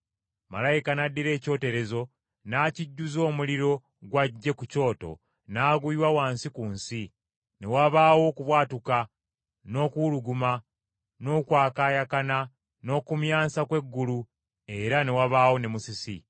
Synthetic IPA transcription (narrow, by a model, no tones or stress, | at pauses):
ma̰lajikanadːiɾe̞ːco̞ːte̞ɾe̞zo̞ | naːciɟːuzo̞ːmuliɾo̞ | ɡwaɟːe̞kuco̞ːto̞̰ | naːɡuiwawaːnsikuːnsi | ne̞waβaːwo̞kuβwaːtuka | no̞ːkuluɡuma | no̞ːkwaːkaːjakana | no̞ːkumjaːnsakwe̞ɡːulu | e̞ɾane̞waβaːwo̞ne̞musisḭ